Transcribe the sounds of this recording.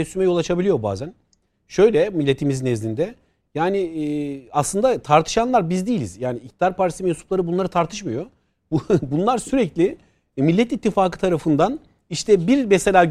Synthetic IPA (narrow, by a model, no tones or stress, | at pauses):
ɛsymɛjo̞lˠat͡ʃʰabilʲijo̞ba̰ːzæn | ʃø̞jlʲɛmilʲːe̞t̪ʰimiznezlʲind̪ɛ | jaːniː | aslˠɯnd̪at̪ʰaɾt̪ʰɯ̥ʃanlˠaɾbizd̪ijilʲizjaːniːc̚t̪̚d̪aɾpaɾisimɛnsu̥plˠaɾɯbunlˠaɾɯt̪ʰaɾt̪ʰɯʃmajo̞ | bunlˠaɾsyɾɛclʲiɪ | milʲːɛt̪it̪ʰːifaːkɯ̥t̪ʰaɾafɯnd̪an | iʃt̪ʰɛbiɾmɛse̞lʲaː